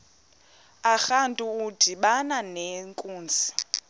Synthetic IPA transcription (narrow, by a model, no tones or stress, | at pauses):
axantʼuːd̥ʱiɓananeŋkʼuːnd͡zʱi̥